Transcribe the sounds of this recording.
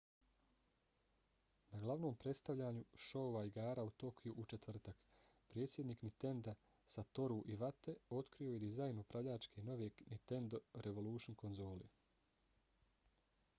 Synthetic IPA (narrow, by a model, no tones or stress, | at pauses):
naɡlˠaʋno̞ːmpɾe̞t̪st̪aʋʎaːɲuʃo̞oʋaiɡaːɾaut̪o̞kʰijuʔut͡ʃe̞t̪ʋr̩t̪ak | pɾeːt̪sʲjed̪niːknit̪e̞nd̪a | sat̪o̞ɾuʔiʋat̪e̞o̞t̪kɾio̞je̞d̪izajnupɾaʋʎaːt͡ʃkʰeno̞ʋenit̪e̞nd̪o̞ɾe̞ʋo̞luːʃinko̞nzo̞ːlḭ